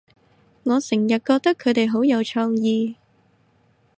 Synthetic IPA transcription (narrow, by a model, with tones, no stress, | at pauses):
ŋɔː˨˧sɪ˨˩ŋjɐ˨t̚kɔː˧k̚t̪ɐ˥kʰːɵ˨˧t̪e˨jɦo˨˥wjɐ˨˧wt͡ʃʰɔː˧ŋjiː˧